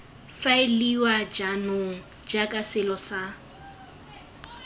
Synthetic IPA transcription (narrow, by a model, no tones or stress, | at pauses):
faɪliwad͡ʒanʊŋ̩ | d͡ʒakʼasɪlɔsa